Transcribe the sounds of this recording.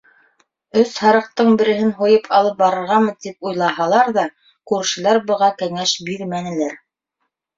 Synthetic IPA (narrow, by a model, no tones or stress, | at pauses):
ɵshɑɾɤ̆q̚t̪ɤɴbɘ̆ɾɘ̆ɦɘnɦujɤpʰɑlˠɤp̚bɑɾɤ̆ɾʁɑmɤt̪ip̚ujlˠɑɦɑlˠɑɾðɑ | kʉɾʃɘ̆læɾbɤ̆ʁɑkæŋæʃbiɾmænɘ̆læɾ